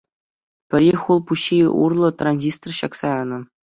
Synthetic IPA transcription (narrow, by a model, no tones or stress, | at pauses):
pʲɘ̆ɾʲiχulˠpuɕːiṵrlˠɤ̆t̪ranʲzʲist̪̆rɕɑksɑɤnɤ̆